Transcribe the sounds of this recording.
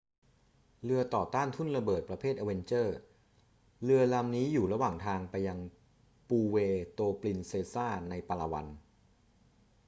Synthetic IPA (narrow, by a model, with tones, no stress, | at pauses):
lɯ˧ɐt̪ɔː˨˩t̪aː˥˩nt̪ʰu˥˩nɾa˧bɤː˨˩t̪̚pɾa˧pʰeː˥˩ʔa˧we˧nt͡ɕɤː˥˩ | lɯ˧ɐla˧mniː˦˥juː˨˩ɾa˧waː˨˩ŋt̪ʰaː˧ŋpa˧jːa˧ŋ | puː˧weː˧t̪oː˧pli˧nseː˧saː˥˩na˧jpa˧la˧wa̰˧n